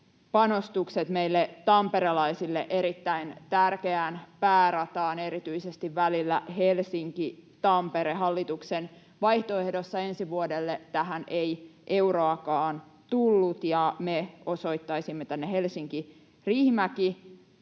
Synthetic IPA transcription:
pɑnost̪ukset̪meijlːet̪ɑmpeɾelɑisilːeʔe̞ɾit̪ːæint̪ærkeænpæːɾɑt̪ɑːne̞ɾit̪yisest̪iʋʋælilːæhelsiŋkit̪ɑmpeɾeɦɑlːit̪uksen | ʋɑjht̪oe̞hdosːɑe̞nsiʋuodelːet̪æɦænejʔe̞uɾoɑkɑːnt̪ulːut̪jɑmeo̞so̞it̪ːɑisimːet̪ænːehe̞lsiŋki | rihmæki

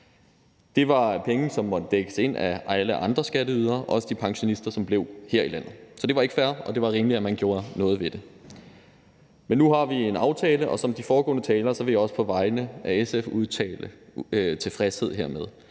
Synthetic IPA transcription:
d̥e̝ʋɑ̈pʰeŋn̩sɒ̽mːɒ̽d̥əd̥eɡ̥əse̝n̰æʔæləʔɑ̈nd̥ʁɐsɡ̥ædəyð̞ˠɐɒʔɒ̽səd̥ipʰɑ̈ŋɕo̝nisd̥ɐsɒ̽mb̥le̝ʊ̰heɐ̰ilæn̰ð̩ˠsɒ̽d̥e̝ʋɑ̈e̝ɡ̥əfæɐ̰ɒ̽d̥e̝ʋɑ̈ʁiːməliæmænɡ̥jo̝ːɐnɔ̽ːð̞ˠʋe̝d̥e̝ | menːuɦɑ̈ʋie̝nɑ̈ʊt͡sʰɛːləʔɒ̽sɒ̽md̥ifɒːɡ̥ɔ̰̽ːnət͡sʰɛːlɐsɒ̽ʋe̝jaɒ̽sə̥pʰɒ̽ʋɑ̈ɪnəʔæesefuð̞ˠt͡sʰɛ̰ːlət͡sʰe̝fʁɛshe̝ð̞̰ˠɦḛɐ̰meðˠ

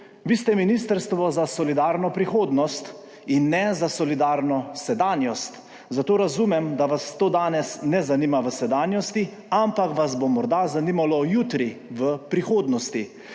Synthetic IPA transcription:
ʋiːst̪ɛminiːst̪əɾst̪ʋɔzasɔlid̪aːɾnɔpɾixoːd̪nɔst̪ | inːɛzasɔlid̪aːɾnɔsɛd̪aːnjɔst̪ | zat̪oːɾazumɛmd̪aʋast̪oːd̪aːnɛsnɛzanimaʋəsɛd̪aːnjɔst̪i | ampakʋazbomɔɾd̪azaniːmalɔjuːt̪ɾiʋəpɾixoːd̪nɔst̪i

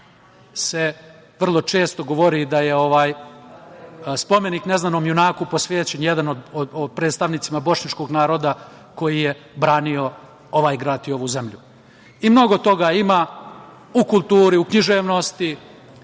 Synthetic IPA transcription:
se̞ | ʋr̩lˠo̞t͡ʃe̞ːst̪o̞ɡo̞ʋo̞ɾid̪ajeo̞ʋaːj | spo̞me̞nikne̞znanoːmjunaːkupo̞sʋjeːt͡ɕenjed̪anod̪opɾed̪st̪aʋnit̪simabo̞ʃɲat͡ʃko̞ːɡnaːɾo̞ːd̪a | ko̞jije̞ | bɾaːnio̞ | o̞ʋaːjɡɾaːd̪io̞ʋuze̞mʎu | imno̞ɡo̞t̪o̞ɡaːimaː | ukulˠt̪uːɾiukɲiʒeːʋno̞st̪i

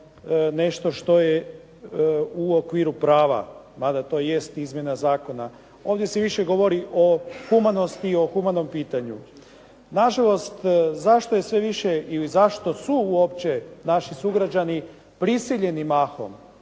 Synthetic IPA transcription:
ne̞ʃt̪o̞ʃt̪o̞je | uokʋiːɾupɾaːʋa̰ | mad̪at̪o̞ːje̞st̪izmje̞nazaːko̞na | o̞ːʋd̪je̞seʋiʃeɡo̞ʋo̞ɾiʔo̞xumano̞st̪iːo̞xumano̞mpiːt̪aɲṵ | naʒalˠo̞st̪zaʃt̪o̞jesʋe̞ʋiʃeilizaʃt̪o̞suuo̞pt͡ɕenaʃisuɡɾad͡ʒani | pɾisiʎe̞nimaːxo̞̰m

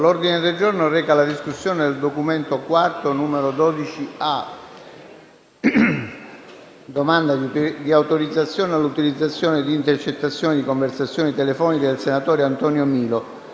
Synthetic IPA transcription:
lord̪ined̪eld͡ʒornorɛːkalad̪iskusːjoːned̪eld̪okument̪okwart̪onuːmeɾod̪ɔːd̪it͡ʃia | d̪omand̪ad̪iawt̪oɾid̪zːat̪sːjɔːnealːut̪ilid̪zːat̪sːjoːned̪iːnt̪ert͡ʃet̪ːat̪sːjoːned̪ikoɱversat̪sːjoːnit̪elefɔːniked̪elsenat̪ɔːɾeant̪ɔnjomiːlo

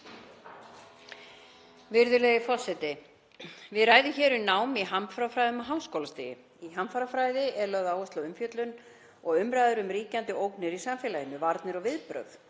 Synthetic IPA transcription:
vɪɾðʏleɣɪfɔsɛt̪ɪ | vɪðraːjðʏçɛːɾʏnaːwmiɦamfɾafɾajðʏmaɦawskowlast̪ɪjɪ̰ | iɦamfaɾafɾaːjðɪʔɛɾlœɣðaːwɛslaʏmfjœt̪lʏn | ɔɣʏmɾajðʏɾʏmɾiːcant̪ɪowknɪɾisamfɛːlajɪnʏvaɾt̪nɪɾɔɣvɪðpɾœ̰f

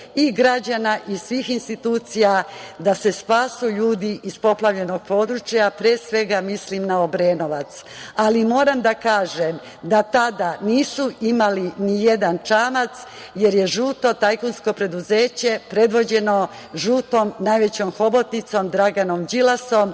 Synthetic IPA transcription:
iɡɾad͡ʑanaʔisʋiːxinst̪it̪uːt̪sijad̪ase̞spaːsuʎuːd̪iispo̞plˠaʋʎe̞no̞ɡ̚po̞ːd̪ɾut͡ʃjapɾeːsʋe̞ɡamislimnaobɾeːnoʋat̪s | alimo̞ːɾamd̪akaːʒem | d̪at̪ad̪aniːsuimalinije̞d̪ant͡ʃaːmat̪s | je̞ɾje̞ʒuːt̪o̞t̪ajkunsko̞pɾe̞d̪uze̞ːt͡ɕe̞pɾe̞d̪ʋo̞d͡ʑe̞no̞ | ʒuːt̪o̞mnajʋe̞t͡ɕomxo̞bo̞t̪nit̪so̞md̪ɾaɡanomd͡ʑilaso̞m

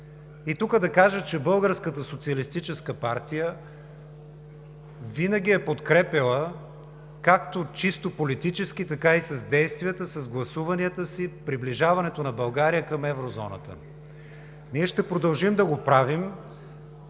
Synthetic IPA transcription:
it̪ukəd̪ɐkaʒət͡ʃɛbɤlˠɡəɾskət̪əsot̪siəlist̪it͡ʃɛskəpaɾt̪ijə | vinəɡʲiɛpot̪kɾɛpəlˠə | kak̚t̪ot͡ʃist̪opolit̪it͡ʃɛsk̟it̪ɐkaisɐzd̪ɛjst̪vʲiət̪əsɐzɡlˠɐsuvɐniət̪əsipɾibliʒavɐnɛt̪onɐbɐlˠɡaɾijəkɐmɛvɾozɔ̰nə̰t̪ə̰ | niɛʃt̪ɛpɾod̪ɐlˠʒimd̪ɐɡopɾavim

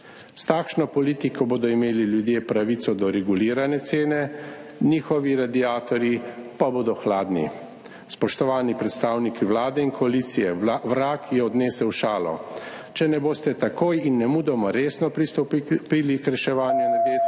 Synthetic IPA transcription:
st̪aːkʃnɔpɔliːt̪ikɔboːd̪ɔimeːliljud̪jeːpɾaʋit̪sɔd̪ɔɾɛɡuliːɾanɛt̪seːnɛniːxɔʋiɾad̪iaːt̪ɔɾjipaboːd̪ɔxlaːd̪nḭ | spɔʃt̪ɔʋaːnipɾɛt̪st̪aːwnikiwlaːd̪ɛinkʰɔalit̪sijɛʋɾaːkjɛɔd̪neːsɛwʃaːlɔ̰ | t͡ʃɛnɛboːst̪ɛt̪akoːjinːɛmuːd̪ɛmɔɾeːsnɔpit̪piːlikɾɛʃɛʋaːnjunad̪eː

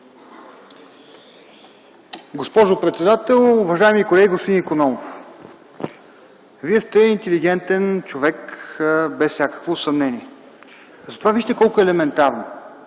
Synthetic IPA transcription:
ɡospɔʒʊpɾɛt̪sɛd̪at̪ɛlˠʊvɐʒaɛmikolɛɡʲiɡost̪inikonɔmof | viɛst̪ɛint̪ɛliɡ̟ɛnt̪ɛnt͡ʃovɛk | bɛsfsʲjakə̥kvosɐmnɛniɛ | zɐt̪ovaviʃt̪ɛkɔlˠkʊɛlɛmɛnt̪aɾno

